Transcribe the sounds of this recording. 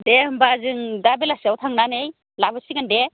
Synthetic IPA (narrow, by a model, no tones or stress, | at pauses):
dehɐmbazɯŋdabelasiawtʰaŋnanej | labɯsiɡɐnde